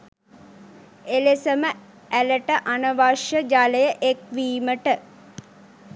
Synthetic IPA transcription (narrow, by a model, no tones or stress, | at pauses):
elesəmə | æləʈəʔanəʋaʃjəd͡ʒaləjəʔekʋiːməʈə